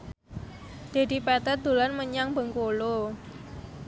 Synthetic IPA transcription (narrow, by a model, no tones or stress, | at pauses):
d̪̥e̤d̪i̤pɛt̪ət̪̚d̪̥ulanməɲaŋbə̤ŋkolo